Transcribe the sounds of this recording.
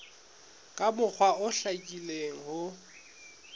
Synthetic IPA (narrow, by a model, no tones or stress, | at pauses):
kʼabʊk͡xʰwaʊɬakʼileŋ̩ɦʊ